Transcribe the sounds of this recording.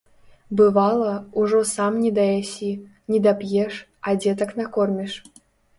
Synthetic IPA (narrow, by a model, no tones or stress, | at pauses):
bɨvɑlˠɐuʐɔsamnʲid̪ɐjasʲi | nʲid̪apʲjɛʂ | ad͡zʲɛt̪ɐknakɔrmʲiʂ